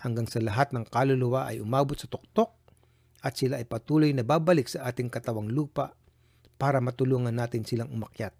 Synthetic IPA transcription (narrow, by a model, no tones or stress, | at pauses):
hɐŋɡaŋsɐlɐɦat̪̚nɐŋkalʊlʊwaʔɐjʔʊmaːbʊt̪̚sɐt̪ok̚t̪o̞k̚ | ʔɐt̪̚sɪlaʔɐjpɐt̪uːlojnɐbaːbɐlɪksɐʔaːt̪ɪŋkɐt̪ɐwaŋluːpa | paːɾɐmɐt̪ʊluːŋɐnːaːt̪ɪnsɪlaŋʊmɐkjat̪̚